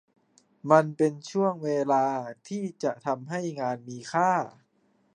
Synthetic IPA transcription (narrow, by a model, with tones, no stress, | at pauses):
ma˧npe˧nt͡ɕʰu˥˩əŋweː˧laː˧t̪ʰiː˥˩t͡ɕa˨˩ʔt̪ʰa˧mɦa˥˩jŋaː˧nmiː˧kʰaː˥˩